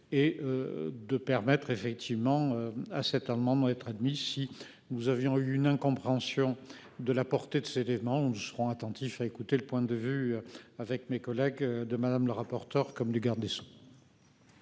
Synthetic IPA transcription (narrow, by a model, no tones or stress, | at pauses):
eød̪əpɛʁmɛt̪χefɛk̚t̪ʰivmɑ̃øasɛt̪amɑ̃d̪ɛt̪χad̪misi | nuzavjɔ̃yynɛ̃kɔ̃pχeɑ̃sjɔ̃ | d̪əlapɔʁt̪ed̪əseelemɑ̃unusə̥ʁɔ̃at̪ɑ̃t̪ifaekut̪eləpwɛ̃d̪əvyavɛkmekɔlɛɡd̪əmad̪amləʁapɔʁt̪œʁkɔmləɡaʁd̪eso̥